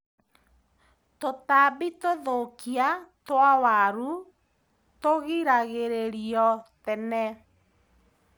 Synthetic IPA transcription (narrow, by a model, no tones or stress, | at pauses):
totabitoðokiatwawaɾu | toɣiɾaɣeɾeɾiɔtɛnɛ